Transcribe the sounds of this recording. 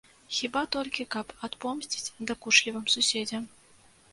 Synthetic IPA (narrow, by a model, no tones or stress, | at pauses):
xʲibat̪ɔlʲkʲikɐpat̪pɔmsʲt͡sʲi̥t͡sʲd̪ɐkuʂlʲivɨmsusʲed͡zʲɛm